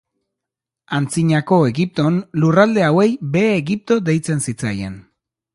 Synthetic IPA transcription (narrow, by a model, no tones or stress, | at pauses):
ant͡siɲako̞e̞ɣip̚t̪o̞nlurald̪e̞awe̞jbe̞ːɣip̚t̪o̞d̪e̞jt͡se̞nsit͡sa̰je̞̰n